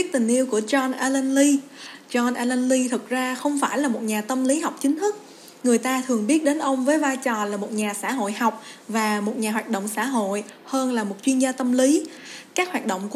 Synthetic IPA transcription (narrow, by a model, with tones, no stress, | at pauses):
i˦˥k̚t̪ï˨˩ŋ̟ʔi˧əwku˧˩ət͡ɕɔ˧nʔaː˧lɛ˧nli˧t͡ɕɔ˧nʔa˧lɛ˧nli˧t̪ʰɨ˨˩k̚zaː˧xə˧wŋ͡mfaː˧˩jlaː˨˩mo˨˩t̚ɲaː˨˩t̪ə˧mli˨˦ɦa˨˩wk͡p̚t͡ɕï˨˦ŋ̟t̪ʰɨ˦˥k̚ | ŋɨ˨˩əjt̪aː˧t̪ʰɨ˨˩əŋɓi˦˥ət̚ɗe˨˦nʔə˧wŋ͡mvəː˨˦jvaː˧jt͡ɕɔ˨˩laː˨˩mo˨˩t̚ɲaː˨˩sa̰ː˧˥˩ɦo̰˧˨jha˨˩wk͡p̚vaː˨˩mo˨˩t̚ɲaː˨˩waː˨˩t̚ɗo̰˧˨wŋ͡msa̰ː˧˥ɦo̰˧˨jhəː˧nlaː˨˩mo˨˩t̚t͡ɕwi˧ənzaː˧t̪ə˧mli˨˦kaː˦˥k̚hwaː˨˩t̚ɗo̰˧˨wŋ͡mk